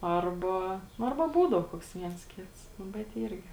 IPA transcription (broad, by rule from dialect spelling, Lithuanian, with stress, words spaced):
ˈɐrbɐ nʊ ˈɐrbɐ ˈbuːdɐʊ ˈkoːks ˈʋʲiɛns ˈkʲɪts ˈnʊ bʲɛt ˈiːrʲɡʲɪ